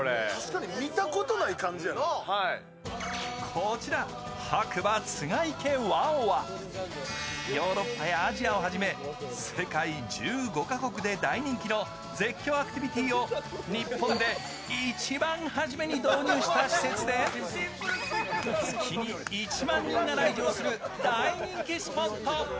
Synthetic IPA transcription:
eamʲit̪akot̪onaikãɲd͡ʑia | kʰo̞t͡ɕiɾa | hakɯ̟bat͡sɨŋaikẽ̞βaoβa | jo̞ːɾo̞pːajaːʑiao̞ɦaʑime̞se̞kaid͡ʑɨːɡo̞kako̞kɯ̟d̪e̞d̪aiɲ̟ĩŋkʲino̞ | d͡ze̞kʲːo̞ːakɯ̥t̪ʲibʲit̪ʲiːo̞ɲ̟ippːõ̞nd̪e̞ | it͡ɕibãɰ̃haʑime̞ɲ̟id̪oːɲʲɨːɕi̥t̪aɕi̥se̞t͡sɨd̪e̞s | t͡sɨkʲʰiɲiːt͡ɕimãɲ̟ːĩŋːaɾaiʑo̞ːsɨɾɯ̟d̪aiɲĩŋkʲisɨ̥po̞t̪ːo̞

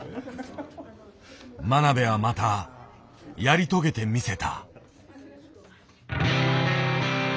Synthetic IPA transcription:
manabe̞βamat̪a | jaɾʲit̪o̞ɡe̞t̪e̞mʲise̞t̪a̰

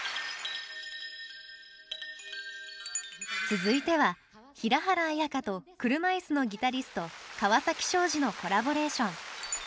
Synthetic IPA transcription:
t͡sɨzɨit̪e̞βa | çiɾaɦaɾaːjakat̪o̞kɯ̟ɾɯ̟maisɨno̞ɡʲit̪aɾʲisɨ̥t̪o̞kaβasakʲi̥ɕo̞ːʑino̞ko̞ɾabo̞ɾe̞ːɕõ̞ŋ

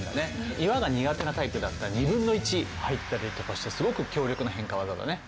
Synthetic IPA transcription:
d̪a̰neiβaɡaɲ̟iɡat̪e̞nat̪aipɯ̟d̪at̪ːaɲibɯ̟̃nːo̞it͡ɕihait̪ːaɾʲit̪o̞kaɕi̥t̪esɨɡo̞kɯ̟kʲo̞ːɾʲo̞kɯ̟noɦẽ̞ŋkaβazad̪a̰ne̞

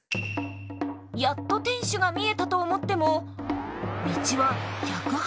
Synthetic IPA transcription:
jat̪ːo̞t̪ẽ̞ɰ̃ɕɨɡamʲie̞t̪at̪o̞ːmo̞t̪ːe̞mo̞ | mʲit͡ɕiβaçakɯ̟

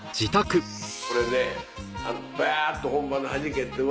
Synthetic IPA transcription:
d͡ʑit̪akɯ | koɾed̪e | a̰paat̪ːohõmbanoɦad͡ʑiket̪ːe

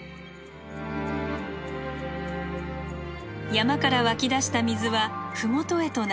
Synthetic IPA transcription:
jamakaɾaβakʲid̪aɕi̥t̪amʲizɨβaɸɯ̟mo̞t̪o̞e̞t̪o̞n

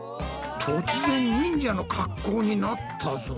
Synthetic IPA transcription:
t̪ʰot͡sɨzẽ̞ɲɲĩɲd͡ʑano̞kʰakːo̞ːɲ̟inat̪ʰːazo

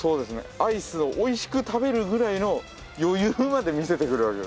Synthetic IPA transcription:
so̞ːd̪e̞sɨne̞̰aisɨoʔːiɕi̥kɯ̟t̪abe̞ɾɯ̟ɡɯ̟ɾaino̞ | jo̞jɯːmad̪e̞mʲise̞t̪e̞kɯ̟ɾɯ̟βake̞d̪

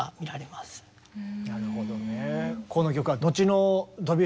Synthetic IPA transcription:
amʲiɾaɾe̞masɨ̥ | naɾɯ̟hod̪onekono̞k̬ʲo̞kɯ̟βad̪o̞t͡ɕino̞d̪o̞bʲi

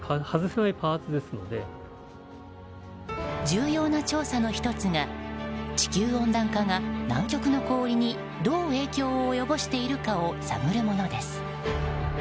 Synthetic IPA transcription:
ahazɨsenaipaːt͡sɨd̪e̞sɨno̞̰d̪e̞ | d͡ʑɨːjo̞ːnat͡ɕo̞ːsano̞çi̥t̪o̞t͡sɨŋat͡ɕi̥kʲɨːõ̞nd̪ãŋkaŋanã̰ŋkʲo̞kɯ̟no̞ko̞ːɾʲiɲ̟i | d̪o̞ːe̞ːkʲo̞ːjo̞bo̞ɕi̥t̪e̞iɾɯ̟kao̞sa̰ɡɯ̟ɾɯ̟mo̞no̞d̪e̞sɨ̥

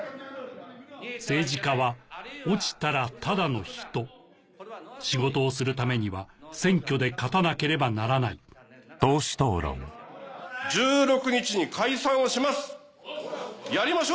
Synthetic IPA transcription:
se̞ːʑikaβaot͡ɕi̥t̪aɾat̪ad̪ano̞çi̥t̪o̞ | ɕiɡo̞t̪o̞ːsɨɾɯ̟t̪ame̞ɲ̟iβasẽ̞ŋkʲo̞d̪e̞kat̪anake̞ɾe̞banaɾanait̪o̞ːɕi̥t̪o̞ːɾõ̰ŋ | d͡ʑɨːɾo̞kɯ̟ɲit͡ɕiɲikʰaisãɰ̃oɕimasɨ̥ | jaɾʲimaɕo

